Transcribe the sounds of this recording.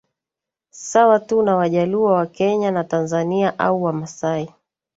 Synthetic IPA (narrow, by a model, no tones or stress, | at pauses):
sawatunawaʄaluawakɛɲanatanzaniaʔauwamasai